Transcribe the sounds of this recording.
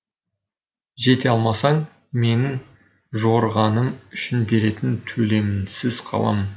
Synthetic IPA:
ʒe̞t̪e̞ɑlˠmɑsɑɴ | me̞nɪŋ | ʒoɾʁɑnəmʏʃɪnbe̞ɾe̞t̪ɪnt̪ʰɵle̞mɪnsɪzqʰɑ̰lˠɑ̰mən

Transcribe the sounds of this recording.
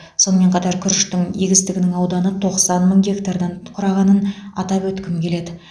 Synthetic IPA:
so̞nəme̞ɴqʰɑt̪ɑɾkʲʰʏɾɪʃt̪ɪŋeɡʲɪst̪ɪɡʲɪnɪŋɑwd̪ɑnət̪ʰo̞qsɑnməŋɡʲe̞kt̪ard̪ɑnqʰʊɾɑʁɑnənɑt̪ɑpwɵt̪kʲɪmkʲʰe̞le̞d̪ɪ

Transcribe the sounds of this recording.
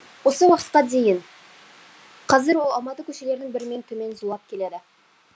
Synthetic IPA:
wo̞səwɑqət̪qɑd̪e̞jɪn | qʰɑzɪɾwolˠɑlˠmɑt̪əkʲʰɵʃele̞ɾd̪ɪŋbɪɾɪme̞nt̪ʰɵme̞nzulˠɑp̚kʲʰe̞led̪ɪ

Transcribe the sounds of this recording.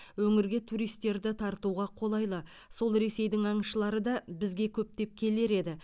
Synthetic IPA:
wɵŋɪɾɡʲe̞t̪ʰuɾijst̪ːe̞ɾd̪ɪt̪ʰɑɾt̪uʁɑqʰo̞lˠɑjlˠə | so̞lˠɾe̞se̞jd̪ɪŋɑɴəʃəlˠɑɾəd̪ɑbɪzɡʲe̞kʲʰɵp̚t̪e̞p̚kʲʰe̞le̞ɾe̞d̪ɪ

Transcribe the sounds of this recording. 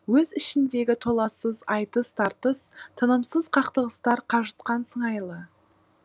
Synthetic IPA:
wɵzɪʃɪnd̪e̞ɡʲɪt̪ʰo̞lˠɑsəzɑjt̪əst̪ʰɑɾt̪əst̪ʰənəmsəz̥qʰɑqt̪əʁəst̪ɑɾqʰɑʒət̪qɑnsəɴɑjlˠə

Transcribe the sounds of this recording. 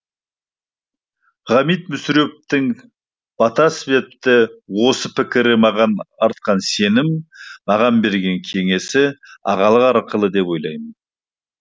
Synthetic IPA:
ʁɑmijt̪̚mʏsɾe̞p̚t̪ɪŋ | b̥ɑt̪ɑsɪbe̞p̚t̪ɪwo̞səpʰɪkʲɪɾɪmɑʁɑnɑɾt̪̚qɑnse̞nɪmːɑʁɑnbe̞ɾɡʲe̞ŋkʲʰe̞ŋe̞sɪɑ̰ʁɑlˠəqɑɾqʰəlˠəd̪e̞pwo̞jlˠɑjmən

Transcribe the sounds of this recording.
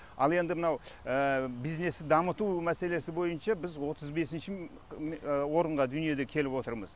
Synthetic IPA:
ɑ̰lˠe̞nd̪ɪmənɑwəbijzne̞st̪ɪd̪ɑmət̪umæse̞le̞sɪbo̞jənʃɑbɪzwo̞t̪ʰəzbe̞sɪnʃɪ | wo̞ɾəɴʁɑd̪ʏnije̞d̪e̞kʲʰe̞lɪpwo̞t̪əɾməz

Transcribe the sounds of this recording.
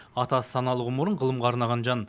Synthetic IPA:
ɑt̪ɑsə̥sɑnɑlˠəʁʊmʊɾəɴʁəlˠəmʁɑːɾnɑʁɑnʒɑn

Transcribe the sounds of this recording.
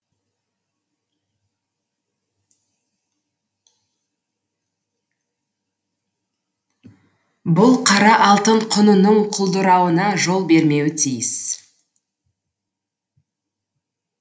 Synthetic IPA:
bʊlˠqʰɑɾɑʔɑlˠt̪əɴqʰʊnənəɴqʰʊlˠd̪əɾɑwənɑʒo̞lˠbe̞ɾme̞wɪt̪ʰijɪs

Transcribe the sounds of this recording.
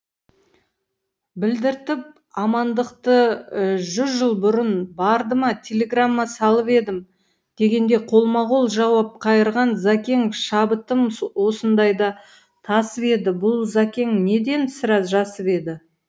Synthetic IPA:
bɪld̪ɪɾt̪ɪp̚ | ɑmɑnd̪əqt̪əʒʏzʒəlˠbʊɾənbɑɾd̪əmɑt̪ʲʰe̞lʲe̞ɡramːɑsɑlˠəpe̞d̪ɪm | d̪̥e̞ɡʲe̞nd̪e̞qʰo̞lˠmɑʁolˠʒɑwɑp̚qʰɑjəɾʁɑnzakʲe̞ŋʃɑbət̪əmwo̞sənd̪ɑjd̪ɑ | t̪ʰɑsəpe̞d̪ɪbʊlˠzakʲe̞ŋne̞d̪e̞nsɪɾɑsʒɑsəpe̞d̪ɪ

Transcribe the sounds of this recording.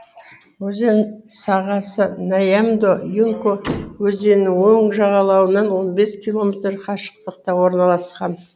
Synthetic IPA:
wɵze̞nsɑʁɑsənajamd̪ojuŋkowɵze̞nɪŋwoɴʒɑʁɑlˠɑwənɑnwo̞nbe̞skʲʰijlˠo̞mʲet̪ɾqʰɑʃə̥q̚t̪əqt̪ɑwo̞ɾnɑlˠɑsqɑn

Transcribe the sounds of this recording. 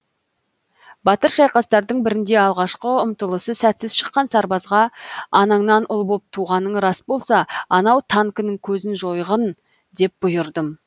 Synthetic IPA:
bɑt̪əɾʃɑjqɑst̪ɑɾd̪əɴbɪɾɪnd̪e̞ɑlˠʁɑʃqəʊmt̪əlˠəsəsæt̪sɪzʃə̥qːɑnsɑɾbɑzʁɑɑnɑɴnɑnʊlˠbo̞p̚t̪ʰuʁɑnːəɴɾɑsbo̞lˠsɑɑnɑwt̪ʰɑŋkənəŋkʲʰɵzɪnʒo̞jʁən | d̪e̞p̚bʊjəɾd̪əm

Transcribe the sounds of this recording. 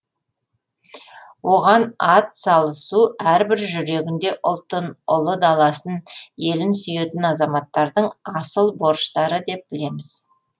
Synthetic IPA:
wʔo̞ʁɑnɑt̪sɑlˠəsuæɾbɪɾʒʏɾe̞ɡʲɪnd̪e̞ʔʊlˠt̪ənʊlˠəd̪ɑlˠɑsənje̞lɪnsʏjet̪ɪnɑzɑmɑt̪ːɑɾd̪əɴɑsəlˠbo̞ɾʃt̪ɑɾəd̪e̞p̚b̥ɪle̞mɪz̥

